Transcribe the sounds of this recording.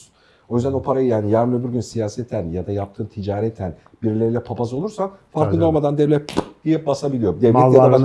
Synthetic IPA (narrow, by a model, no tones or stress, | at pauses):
n | o̞jyzd̪ænopʰaɾajɯjaːnijaɾmlˠɯbiɾɟynsijaːsɛt̪ʰænjad̪ajap̚t̪ʰɯːmt̪ʰid͡ʒaːɾɛt̪ʰæn | biɾilʲeɾilʲɛpʰapazɯouɾsafaɾk̪ˠɯnolˠmad̪and̪ɛvlʲɛd̪ijɛbasabilʲijo̞d̪iɛia